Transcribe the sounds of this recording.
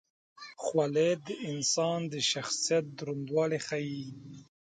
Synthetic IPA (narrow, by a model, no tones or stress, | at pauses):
χwaled̪əɪnsɑːnd̪əʃaxsijat̪̚d̪uɾund̪wɑːlexai